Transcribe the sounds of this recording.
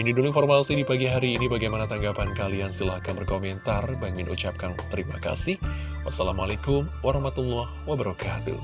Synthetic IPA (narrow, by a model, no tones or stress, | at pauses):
minidulinformasidipaɡiɦaɾiːnibaɡajmanat̪aŋɡapankaliansəlahkanbərkomɛnt̪arbaŋɪnʔṵt͡ʃap̚kant̪əɾima̰ka̰sɪh | wa̰sala̰ma̰lakʊmwaɾahmat̪umlɔhwabəɾɔkʰat̪ṵ